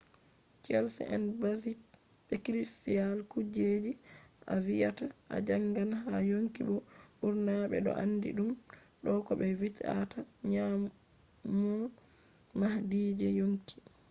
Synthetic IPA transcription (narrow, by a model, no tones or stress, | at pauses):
t͡ʃɛlsɛ̰ʔɛ̰nbasi | ɓɛkɾisialkud͡ʒed͡ʒiʔa̰vijataʔa̰d͡ʒaŋɡanɦajoŋkiɓɔuɾnaɓɛ̰ɗɔ̰ʔanːdḭɗum | ɗɔkɔɓɛvita̰taɲam | mːɔ | mahdiːd͡ʒɛjoŋki̥